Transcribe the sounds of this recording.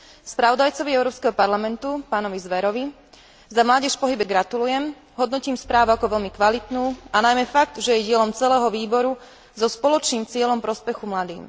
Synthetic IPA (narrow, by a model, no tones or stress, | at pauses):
spɾaʋɔd̪ajt͡sɔʋiɛʊɾɔːpskɛɦɔpaɾlamɛnt̪upaːnɔʋizʋɛɾɔʋi | zamlaːɟɛʃpɔɦibɛɡɾat̪ulujɛm | ɦɔd̪nɔciːmspɾaːʋuakɔʋɛʎmikʋalit̪nuːanajmɛfaɡ̚t̪ʒɛjɛɟɪɛlɔmt͡sɛlɛːɦɔʋiːbɔɾu | zɔspɔlɔt͡ʃniːmt͡sɪɛlɔmpɾɔspɛxumlad̪ḭːm